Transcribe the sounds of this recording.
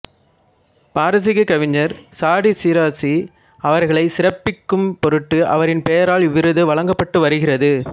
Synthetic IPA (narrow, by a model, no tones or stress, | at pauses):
paːɾɐs̬ɪɣɐkɐʋɪɲːɐɾsaːɽisiɾaːsi | ɐʋɐɾɣɐɭɐɪsɪrɐpːɪkːɯmpɔɾɯʈːɯʔɐ̰ʋɐɾɪnpejɐɾaːɭʋɪɾɯðɯʋɐɭɐŋɡɐpːɐʈːɯʋɐɾɯɣɪrɐðɯ